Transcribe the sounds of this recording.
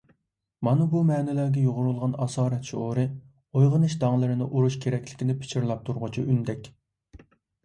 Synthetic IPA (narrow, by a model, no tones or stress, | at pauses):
mɑnɨbumɛːnɪlæɾɡʲɛjoʁʊɾulˠʁɑnɑsɑːɾɛt̪ʃooɾɨ | ojʁənɨʃd̪ɑŋlˠɨɾɨnɨʔuɾuʃkʲʰeɾɛkʲlɪ̥kʲinɪpʰɪ̥t͡ʃʰiɾlˠɑp̚t̪ʰuɾʁʊt͡ʃʰiʔynd̪ɛkʲ